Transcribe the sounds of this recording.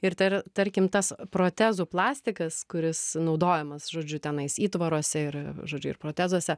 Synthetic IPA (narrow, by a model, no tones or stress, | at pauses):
ɪɾt̪ɐɾt̪ɐɾʲkʲɪmt̪ɐspɾoːt̪ʲæːzuːplˠɑːsʲt̪ʲɪkɐskʊɾʲɪsnɒʊd̪oːjɛmɐsʒoːd͡ʒʲʊt̪ʲɛnɐɪsiːt̪ʋɐɾoɔsʲɛɪɾʒoːd͡ʒʲʊɪ̰ɾpɾoːt̪ʲæːzuɔsʲɛ